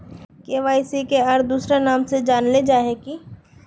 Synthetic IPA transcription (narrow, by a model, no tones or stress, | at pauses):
keːʋaːɪsikeaːɾd̪uːsɾanaːmsed͡ʒaːnled͡ʒaːɦeki